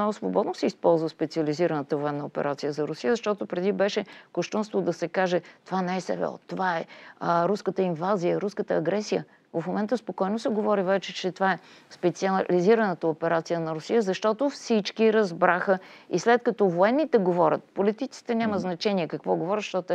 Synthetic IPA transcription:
ɔɡʊsvobɔd̪nosɛispɔlˠzvəspɛt̪siəliziɾənət̪əvoɛnːəopɛ̰ɾat̪sijəzɐɾʊsijəzɐʃt̪ɔt̪ʊpɾɛd̪ibɛʃɛkoʃt̪unst̪vod̪ɐsɛkaʒɛt̪ovanɛɛsɛ̰vɛ̰ɔ̰t̪ovaɛɾuskət̪əinvazijəɾuskət̪əːɡɾɛsijə | vɐfmomɛnt̪əspokɔjnosɛɡovɔɾivɛt͡ʃɛt͡ʃɛt̪ovaɛspɛt̪siliziɾənət̪əopɛɾat̪sijənɐɾʊsijəzɐʃt̪ɔt̪ofsit͡ʃkiɾɐzbɾaxəḭslɛt̪kɐt̪ɔvoɛnːit̪ɛɡovɔɾʲət̪̚polit̪it̪i̥t̪ɛnʲaməznɐt͡ʃɛniɛkəkvɔɡovɔɾət̪ʃt̪ɔt̪

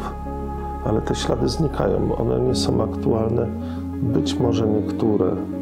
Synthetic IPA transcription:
f | alɛt̪ɛɕla̰d̪ɘzɲikʰa̰jɔ̰̃w̃ʔɔ̰nɛ̰ɲɛsɔ̃w̃akt̪ualnɛ | bɘt͡ɕmɔʐɛɲɛkt̪uɾɛ̰

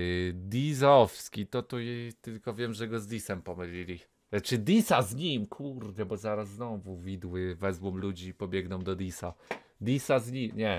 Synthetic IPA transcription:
d̪ʲizɔfskʲit̪ɔt̪ujet̪ɘlkɔvʲjɛmʐɛɡɔzd̪ʲisɛmpɔmɘlʲilʲi | t͡ʂɘd̪ʲisazɲimkʰuɾd̪ɛbɔzaɾasːnɔvuvʲid̪wɘvɛzwɔmlud͡ʑipɔbʲjɛɡnɔ̃w̃d̪ɔd̪ʲisa | d̪ʲisazɲimɲɛ

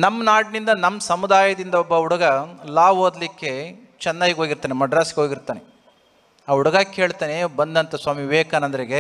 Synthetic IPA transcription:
nɐmːɐnaːʈnind̪ɐnɐmːɐsɐmud̪aːjɐd̪ind̪ɐɔbːɐuɽɐɡɐlaːʋɦoːd̪likːe̞ | t͡ʃɛnːaːɡiɡeɦoːɡiɾt̪aːnemɐɖɾaːsi̥keɦoːɡiɾt̪aːne | aːuɽɐɡaːkeɦeːɭt̪aːnebɐnd̪ɐnt̪ɐsʋaːmiʋeːkanɐnd̪ɐɾeɡe

